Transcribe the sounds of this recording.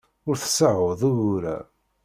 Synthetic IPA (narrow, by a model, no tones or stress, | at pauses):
ʊɾθə̥səʕoðˤuʊɾæ̰